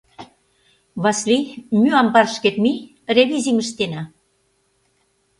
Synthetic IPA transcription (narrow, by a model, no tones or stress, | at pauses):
βɑslimyɑmpɑrʃket̪mi | reβizimə̆ʃt̪enɑ